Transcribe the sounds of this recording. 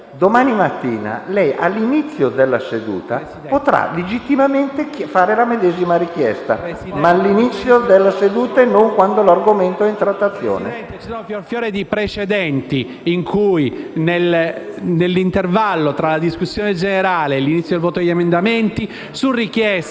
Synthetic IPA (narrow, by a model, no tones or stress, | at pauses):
d̪omaːnimat̪ːiːna̰lɛjʔa̰lːinit̪sːjod̪elːased̪ṵːt̪a | pot̪ɾa̰led͡ʒit̪ːimament̪efaːɾelamed̪ɛːzimaɾikjɛ̰st̪a̰malːinit̪sːjod̪elːased̪uːt̪aɛnːoŋkwand̪olarɡoment̪oɛint̪ɾat̪ːat̪sːjo̰ːnḛɛnt̪et͡ʃisɔːnofjorfjɔːɾed̪ipɾet͡ʃed̪ɛnt̪i | iŋkʰujnelnelːint̪ervalːot̪ɾalad̪iskusːjɔːned͡ʒeneɾaːleːlːinit̪sːjod̪lvɔːt̪od̪eʎːemend̪ament̪i | surːik̟jɛs